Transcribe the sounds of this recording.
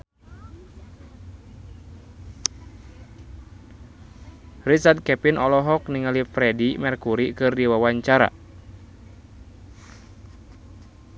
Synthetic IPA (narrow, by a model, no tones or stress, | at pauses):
rit͡ʃard̪̚kɛpinɔlɔɦɔkniŋalifɾɛdimɛrkuɾikɨrdiwawaɲt͡ʃaɾa̰